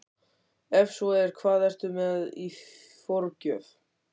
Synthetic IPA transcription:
ɛfsɔɛɾ̥kʰvaːðɛr̥t̪ʏmɛði | foɾcœːf

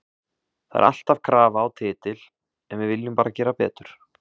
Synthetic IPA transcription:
θaðɛ̰ɾʔa̰l̥t̪av̥kʰɾaːvaːwt̪ʰɪːt̪ɪl | ɛnvɪvɪljʏmpaːɾacɛːɾapɛ̰ːt̪ʏɾ̥

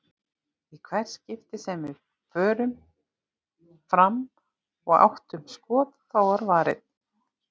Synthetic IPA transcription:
ikʰvɛɾ̥scɪft̪ɪsɛmvɪ | fœːɾʏm | fɾam | ɔɣa̰wht̪ʏmskɔːðθawaɾvaːɾɪ̰ð

